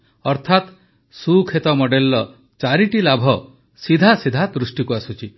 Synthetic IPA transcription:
ɔɾt̪ʰat̪ | sukʰet̪ɔmɔɖelːɔ | t͡ʃaɾiʈilabʱɔ | sid̪ʱasid̪ʱad̪ɾusʈikuasut͡ʃʰi

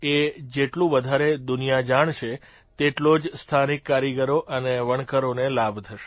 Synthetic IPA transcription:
ed͡ʒeʈlũʋəd̪ʱaɾed̪ʊnijad͡ʒaɳ̃t͡ʃʰe | t̪eʈlod͡ʒst̪ʰanikːaɾiɡəɾoʔəneʋəɳkəɾonelabt̪ʰəʃe̥

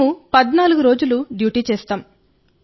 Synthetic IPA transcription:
upɐd̪naːluɡuɾo̞ːd͡ʒuluɖjuːʈiːt͡ʃɛːst̪aːm

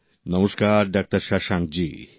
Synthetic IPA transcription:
nɐməskaːɾɖaːk̚ʈəɾʃaʃãŋk̚d͡ʒḭː

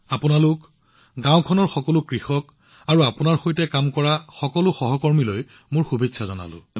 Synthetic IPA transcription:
apʊnalʊk | ɡãwkʰɔnɔɹxɔkɔlʊkɹixɔk | aɹuapʊnaɹxojtɛkamkɔɹaxɔkɔlʊxɔɦɔkɔɹmiloj | mʊɹxubʱitsʰazɔna̰lʊ̰

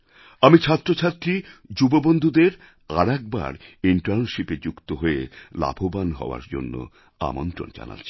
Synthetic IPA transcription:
amit͡ɕʰat̪ːɾot͡ɕʰat̪ːɾid͡ʑubobond̪ʱud̪eɾ | aɾɛk̚ba̰ɾiɳʈaɾnʃiped͡ʑukt̪oɦoela̰bʱobanɦɔ̰oa̰ɾd͡ʑo̰nːo̰ | a̰mont̪ɾo̰nd͡ʑa̰na̰t͡ɕʰi̥

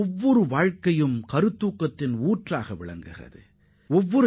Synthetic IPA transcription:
ɔʋːɔɾɯʋaːɻkɐjɯmkɐɾɯt̪ːuːkːɐt̪ːɪnuːʈraːɣɐʋɪɭɐ̰ŋɡɯɣɪrɐ̰ðɯ̰ | ɔʋːɔɾ

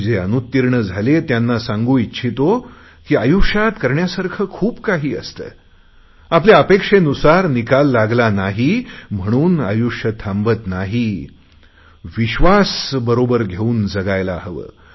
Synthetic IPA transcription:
d͡zeənut̪ːiɾɳəd͡zʱalet̪janːasãŋɡuːitːɕʰit̪o | kiːajukʂat̪kəɾɳjasaɾkʰəːkʰuːbkaɦiːə̰st̪ə̰ː | ap̬leəpekʂenusaɾnikalːaɡlanaɦim̤əɽ̃uːna̰juʂət̪ʰambət̪naɦi | ʋiɕʋasbəɾobəɾɡʱeuːnd͡zəɡajlaɦəʋə̰ː

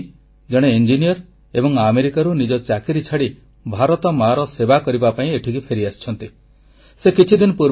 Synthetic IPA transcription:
d͡ʒɔɽ̃eind͡ʒinijɔɾ | ebɔŋameɾikaɾunid͡ʒɔt͡ʃakiɾit͡ʃʰaɽi | bʱaɾɔt̪ɔmaɾɔsebakɔɾibapaĩeʈʰikipʰeɾiast͡ʃʰɔnt̪i | sekit͡ʃʰid̪inɔpuɾ

